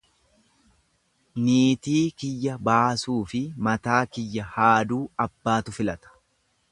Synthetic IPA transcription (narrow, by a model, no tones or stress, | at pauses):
niːt̪iːkɪjːɐbaːsuːfɪmɐt̪aːkɪjːɐhaːd̪uːɐbːaːt̪ʊfɪlɐt̪ɐ̥